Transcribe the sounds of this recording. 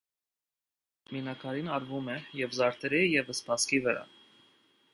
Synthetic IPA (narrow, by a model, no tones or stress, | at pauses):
minɑkʰɑɾinɑɾvumɛjɛvzɑɾt̪ʰɛɾijɛvəspʰɑskivəɾɑ̰